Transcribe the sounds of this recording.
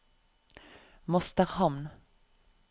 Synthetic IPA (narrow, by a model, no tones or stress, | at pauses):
mɔst̪əʁhɑmn